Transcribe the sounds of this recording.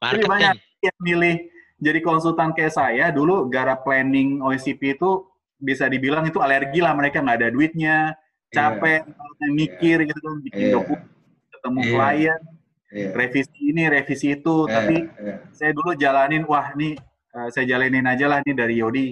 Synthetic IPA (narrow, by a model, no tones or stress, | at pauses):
d͡ʒadibaɲak̚ | amilɪh | d͡ʒadikonsult̪ankajaʔsajaduluɡaɾaplɛnɪŋoisipiːt̪u | bisadibilaŋit̪ualərɡilahməɾekaŋɡaːdaduɪt̪̚ɲa | t͡ʃapɛnalɲamikɪrɡit̪ukanbikɪndokum | nkət̪əmuklajən | refisiːniɾefisiːt̪ut̪apisajadulud͡ʒalanɪnwahnɪh | əːsajad͡ʒalaninad͡ʒalahnidaɾijodi